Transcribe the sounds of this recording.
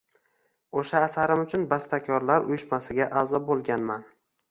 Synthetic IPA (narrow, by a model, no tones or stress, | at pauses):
oʃaːsaɾɪmʊt͡ʃʰʊnbast̪ʰakʲʰɒɾlaɾʊjʊʃmasɪɡʲaʔazɒbolˠɡʲanman